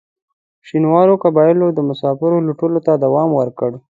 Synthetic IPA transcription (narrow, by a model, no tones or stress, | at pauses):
ʃinwɑɾokabɑjɪlod̪əmʊsɑfɪɾoluʈulot̪ad̪awɑmwəɾkəɽ